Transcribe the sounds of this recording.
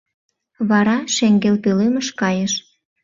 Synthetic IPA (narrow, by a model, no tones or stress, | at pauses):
βɑɾɑʃeŋɡelpøleməʃkɑjəʃ